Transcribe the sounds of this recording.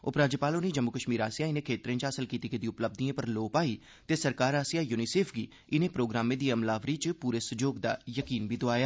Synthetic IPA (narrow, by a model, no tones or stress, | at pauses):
ʊpɾaːd͡ʒeːpaːloneːd͡ʒəmːʊkəʃmiːɾaːsijaːɪnẽkʰeːt̪ɾẽːt͡ʃɦasəlkiːt̪iːked̪ĩʊpləb̚d̪iẽːpəɾloːpaːiː | t̪eːsəɾkaːɾaːsijaːjʊnɪseːpʰɡḭː | ɪnẽːpɾoːɡɾaːmẽːd̪iːəmlaːʋɾiːt͡ʃpuːɾeːsʊd͡ʒoːɡd̪a̰ːjəkiːnbʱiːd̪oaːjaː